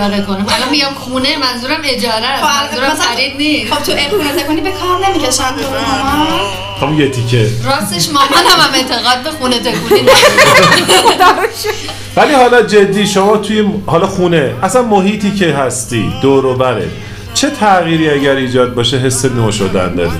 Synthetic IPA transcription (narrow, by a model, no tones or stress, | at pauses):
ɾekonæmælɒmiɡamxuːnemænzuːɾæme̞d͡ʒɒːɾæomænzuːɾæmæɾidniːsot̪ʰuʔexunet̪ekonibekʰɒɾnemiceʃænt̪ʰoɦamas | hæmunjet̪ʰicʰeɾɒːseʃmɒɦænhæmæmet̪ʰeɣɒːd̪̚bexunet̪ʰekuni | d̪æeʃe | vælihɒːlɒd͡ʒe̞d̪ːiːʃomɒːt̪ʰujehɒlɒxuneæsænmoɦiːt̪ʰiːcʰe̞ɦæst̪iːd̪̥oːɾoːbæɾḛ | t͡ʃʰe̞t̪ʰæɣiːɾiːæɟæɾiːd͡ʒɒːd̪̚bɒːʃeɦe̞sːenoːʃod̪æ̰nd̪ɒ̰ːɾḭ